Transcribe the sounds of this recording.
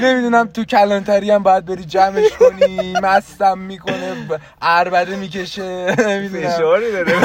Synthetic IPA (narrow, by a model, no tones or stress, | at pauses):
ne̞mid̪unæmt̪ʰucʰælɒnt̪ʰæɾiæmbɒːjæd̪̚beɾiːd͡ʒæme̞ʃkʰo̞nimæst̪æmːiːkʰo̞ne | ʔæɾbæd̪emice̞ʃenemid̪unæʃɾid̪ɒɾe